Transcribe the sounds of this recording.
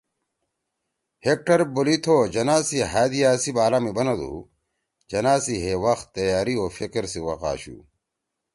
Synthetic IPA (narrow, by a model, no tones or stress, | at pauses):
hek̚ʈɐɾbolit̪ʰoːd͡ʑɐnaːsiɦaːd̪iaːsibaːlaːmibɐnɐd̪ṵ | d͡ʑɐnaːsiɦewɐxt̪ːɐjaːɾioːfekeɾsiwɐqa̰ːɕṵː